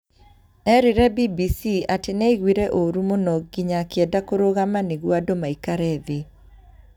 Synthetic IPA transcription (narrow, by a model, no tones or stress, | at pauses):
ɛɾiɾɛbibisiatɪnɛiɣwiɾɛʔoɾumonɔɡ̚ɡɪɲakjɛdakoɾoɣamanɪɡwadomaikaɾɛðɪ